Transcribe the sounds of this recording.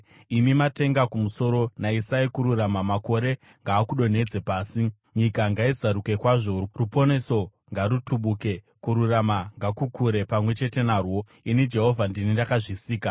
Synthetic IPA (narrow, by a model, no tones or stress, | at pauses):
imimate̞ŋɡakumuso̞ɾo̞naisaikuɾuramamako̞ɾe̞ | ŋɡaːkuɗo̞n̤e̞d͡ze̞paːsi | ɲikaŋɡaizaɾuke̞kwaʐo̞rupo̞neso̞ | ŋɡaɾutʰuɓuke̞ | kuɾuramaŋɡakukuɾe̞pamwe̞t͡ʃe̞te̞naːrwo̞ | inid͡ʒe̞ɦo̞vʱandinindakaʐisiːka